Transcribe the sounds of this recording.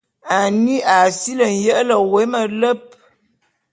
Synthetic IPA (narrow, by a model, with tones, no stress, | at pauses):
a˨ni˦a˨si˦lə˨n̩˨jə˦ʔlə˨we˨˦mə˨lə˦p̚